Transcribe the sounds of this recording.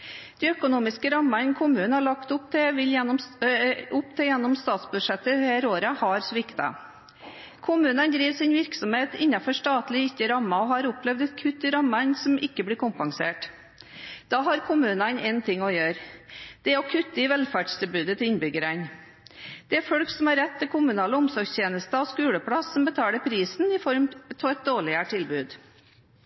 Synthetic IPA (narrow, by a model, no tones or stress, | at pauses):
d̪̥ɛːœkʊnuːmɪskəɾɑmːɑnkʰʊmʉːnhɑɭɑkt̪ʊpt̪ʰɪʋɪljɛ | ʊpt̪ʰɪjɛnːɔmst̪ɑːt̪sbʉd̪ʂɛt̪ːəhæːɾoːɾəhɑɾsʋɪkt̪ɑ̰ | kʰʊmʉːnənd̪ɾiːʋsɪnʋɪɾksɔmheːt̪ɪnːɑfɔʂt̪ɑːt̪lɪɪkːəɾɑmːɑɔhɑɾʊplɛʋd̪ɛt̪kʰʉt̪ːɪɾɑmɑnsɔmɪkːəblɪːɾkʰʊmpɑŋsḛːʈ | d̪̥ɑːɦɑɾkʰʊmʉːnɑnɛnt̪ʰɪŋːɔjøːɾd̪̥ɛɔkʰʉt̪ːəɪʋɛlfæɖst̪ʰɪlbʉːd̪ət̪ʰɪlɪnbʏɡəɾæn | d̪̥ɛæɾfɔɽksɔmhɑɾɛt̪ʰːɪlkʰʊmʉnɑːləʊmsɔɾɡst̪ʰjeːnəst̪əɔskʉːɽəpʰɽɑsːɔmbət̪ʰɑːləpʰɾiːsnɪfɔɾmt̪ʰɔɛt̪̚d̪oːɭɪəʈʰɪlbʉːd̪